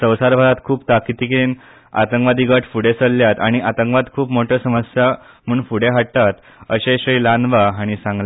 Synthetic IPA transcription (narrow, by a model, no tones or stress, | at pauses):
sə̃wsaɾbʱaɾat̪kʰuːpt̪akit̪iːkeeːn | a̰t̪əŋkʋad̪iɡəʈfuɽesəlːjat̪aɽ̃iʔat̪əŋkʋad̪kʰuːpmoʈʰjəsəməsja | m̤əːɳfuɽeɦaʈ̚t̪at̪ | əɕeɕəilanʋaaɽ̃isãŋɡla